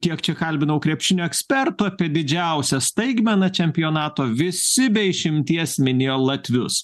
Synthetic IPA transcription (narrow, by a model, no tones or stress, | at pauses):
kʲiɛkt͡ʃʲɛkɐlʲbʲɪnɐʊkɾʲɛpʲʃʲɪnʲuːɛksʲpʲɛɾt̪ʊɐpʲiɛd̪ʲɪd͡ʒʲɛˑʊsʲɛst̪ɐɪɡmʲɛnɐt͡ʃʲɛmʲpʲɪjoːnɑːt̪oːʋʲɪsʲɪbʲɛɪʃʲɪmʲt̪ʲiɛsmʲɪnʲeːjoːlˠɐt̪ʲʋʲʊs